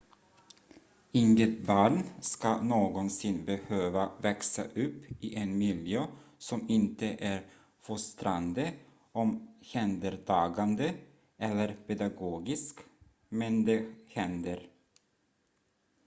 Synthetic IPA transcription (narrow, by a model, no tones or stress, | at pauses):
ɪŋɡət̪bɑːɳskanoːɡɔnsɪnːbɛhøːvavɛksa̰ʔɵpːɪʔɛnmɪljøːsɔmɪnt̪əʔæɾ | fɔst̪ɾand̪ə | ɔmhɛnd̪əɾt̪ʰɑːɡand̪ə | ʔɛlːəɾpʰɛd̪aɡoːɡɪsk | mɛnd̪ɛhɛnd̪əɾ